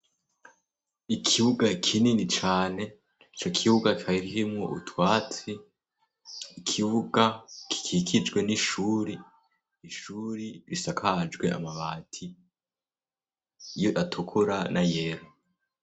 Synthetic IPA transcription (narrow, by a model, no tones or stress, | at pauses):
ikʰiβuɡakʰininit͡ʃaːne̞ | it͡ʃo̞kʰiβuɡakaiɾiɦimŋo̰ṵtwaːt͡si | kʰiβuɡaki̥kʰikʰid͡ʒɡwe̞niʃuɾiː | ʃuːɾiβisakʰad͡ʒɡwe̞a̰maβaːtʰi | joʔatʰukʰuɾanʔajeɾo